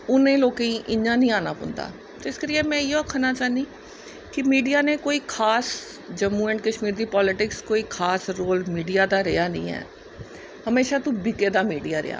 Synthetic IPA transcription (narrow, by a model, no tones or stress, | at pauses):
ʊnẽːloːkeĩːʔɪɲãːnĩːaːna̰ːpʊ̰̃nd̪a̰ː | t̪ɪskəɾɪjeːmɛ̃ːɪoːkʰənaːt͡ʃaːɦnd̪iː | kɪmiːɖijaːneːkoːiːkʰaːs | d͡ʒəmːũːɛːɳʈkəʃmiːɾd̪iːpɔːlɪʈɪkskoːiːkʰaːsɾoːlmiːɖijaːd̪aːɾɪjaːnəḭ̃ːɦɛ̰ː | həmeːʃaːt̪ũːbɪkeːd̪aːmiːɖijaːɾɪ̰ja̰ː